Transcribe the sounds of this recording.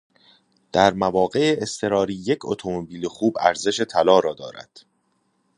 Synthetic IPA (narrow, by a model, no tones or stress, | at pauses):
d̪̥æɾmævɒːɢe̞eːst̪ʰe̞ɾɒːɾiːje̞cʰo̰t̪ʰo̞mobiːlexuːbæ̰ɾze̞ʃe̞t̪ʰælɒːɾɒːd̪ɒ̰ːɾæ̰d̪̥